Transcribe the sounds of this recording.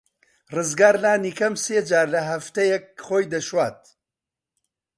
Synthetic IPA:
rɨzɡaːɾlaːnikɐmseːd͡ʒaːɾlɐɦɐft̪ɐjɛk̚χoːjd̪ɐʃwaːt̪̚

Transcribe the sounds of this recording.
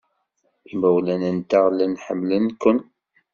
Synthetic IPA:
θməwlænənt̪aʁlænħə̰mːlənkʊn

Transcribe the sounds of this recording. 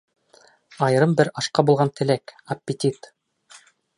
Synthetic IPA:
ɑj̆ɾɤmbɘɾɑʃqɑbulˠʁɑnt̪ʰɘ̆lækɐpʲːɪt̪ʲit̪

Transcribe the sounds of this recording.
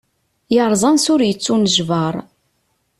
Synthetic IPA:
jəɾˤzˤɑnsʊɾjət͡sːunəʒvɑɾˤ

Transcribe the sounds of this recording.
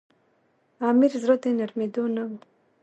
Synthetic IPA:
amiɾzɾot̪enaɾmed̪onawu

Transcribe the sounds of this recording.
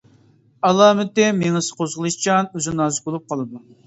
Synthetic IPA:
ɑlˠɑːmɪt̪ɪmeŋɨsqʰozʁəlˠɨʃt͡ʃɑnøzɪnɑːzɨbolˠup̚qʰɑlˠɨd̪u

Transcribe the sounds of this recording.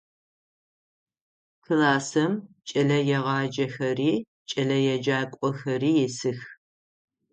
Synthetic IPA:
kʰɨlaːsɐm | t͡ʃʼɐɮɐjɛʁɑːd͡ʒɐxɐriː | t͡ʃʼɐɮɐjɛd͡ʒaːkʷʼɔxɐɾiːjɪsɨx

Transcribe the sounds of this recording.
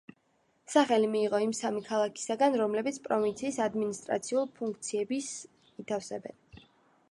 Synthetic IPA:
saχɛlimiːʁɔimsamikʰalˠakʰi̥saɡanɾɔmlɛbit̪sʰpʼɾɔvint̪sʰiːsad̪minist̪ʼɾa̰t̪sʰiulˠpʰuŋkʰt̪sʰiɛbis | it̪ʰafsɛbɛ̰n

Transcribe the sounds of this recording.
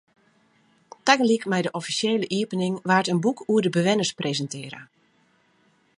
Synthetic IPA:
taɡəlikmɛjdəʔɔfisjeːləʔiəpənɪŋʋaːrtənbukʰuədəbəʋɪnəsprezəntɪəɾə̰

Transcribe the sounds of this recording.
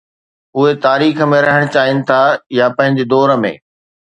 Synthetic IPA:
ʊɦet̪aːɾiːxə̆mẽɾɐɦəɽ̃t͡ɕaːɦɪnɪ̆t̪ʰajapɐ̃ɦɪ̃ɲd͡ʑed̪ɔːɾə̆mḛ̃ː

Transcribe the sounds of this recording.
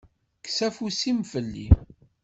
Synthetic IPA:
ksæfusimfəlːḭm

